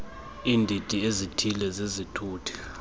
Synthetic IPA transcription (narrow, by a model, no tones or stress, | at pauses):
iːndʱitʼiezitʰilɛzezitʰuːtʰi̥